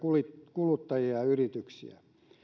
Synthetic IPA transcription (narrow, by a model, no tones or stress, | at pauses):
kulikulut̪ːɑjiɑyrit̪yksḭæ̰